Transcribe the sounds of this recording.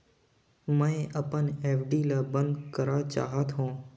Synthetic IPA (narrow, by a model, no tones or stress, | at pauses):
mɛ̃ʔɐpəneːpʰɖilabə̃nd̪kəɾat͡ʃa̰ːɦət̪ɦõː